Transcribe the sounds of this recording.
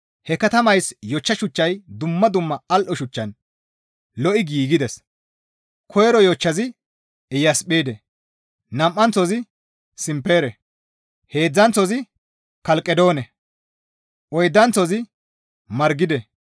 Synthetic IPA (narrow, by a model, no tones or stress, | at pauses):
hɛkɐt̪ɐmɐjsjɔt͡ʃːɐʃʊt͡ʃːɐjd̪ʊmːɐd̪ʊmːɐɐlʔɔʃʊt͡ʃːɐn | lɔʔɪɡiːɡɪd̪ɛs | kʰɔjɛɾɔjɔt͡ʃːɐzɪ | ɪjɐspeːd̪ɛ | nɐmʔːɐnt͡sɔzɪ | sɪmpːe̞ːɾɛ | heːd͡zːɐnt͡sɔzɪ | kɐlkʼɛd̪o̞ːnɛ | ʔɔjd̪ːɐnt͡sɔzɪ | mɐɾɡɪd̪ɛ